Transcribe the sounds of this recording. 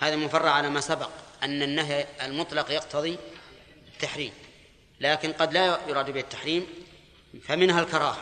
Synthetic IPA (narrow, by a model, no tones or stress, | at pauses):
haːðamʊfɑrˤːɑʕalamasabɑqʔanːanːaɦjalmʊt̪ˤlɑqjɑqt̪ʰɑðˤi | t̪ːaħɾiːm | laːkɪnqɑd̪lajʊɾɑːd̪bɪːat̪ːḁħɾiːm | famɪnhalkɑɾˤɑːhḁ